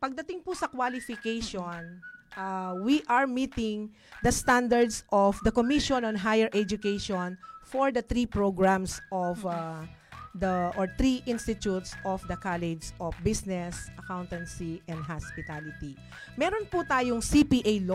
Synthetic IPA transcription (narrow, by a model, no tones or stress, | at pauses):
pɐɡ̚d̪ɐt̪ɪŋpʊsɐkwalɪfɪkejʃonʔawiʔɐɹmiːt̪ɪŋ | d̪ɐst̪and̪ɐɹd̪sʔɔfd̪ɐkomiʃɔnɔ̃nɦajɛɹʔɛd͡ʒʊkejʃɔnfɔɹd̪ɐt̪ɾipɹoɡɹamsʔɔf | d̪ɐʔɔɹt̪ɾiʔɪ̃nst̪ɪt̪ut̪sʔɔfd̪ɐkalɛd͡ʒsʔɔfbisnɛsʔɐkawnt̪ɛnsiʔɛ̃nd̪̚ɦaspɪt̪alɪt̪i | mɛɾonput̪aːjoŋsipiʔejl